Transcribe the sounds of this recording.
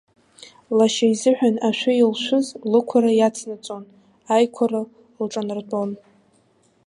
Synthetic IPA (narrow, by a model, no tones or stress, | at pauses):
laʃajzɨħᶣanaʃʷᶣʊilʃʷʊzlɨkʷʰaɾajat͡sʰnat͡sʼon | ajkʷʰara | lʈ͡ʂʼanɨrtʼon